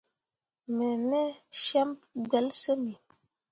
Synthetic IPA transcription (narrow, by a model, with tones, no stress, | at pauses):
mɛ˨nɛ˦ʃɛ˦mp̚ɡ͡bɛ˨˦lsə˦mi˨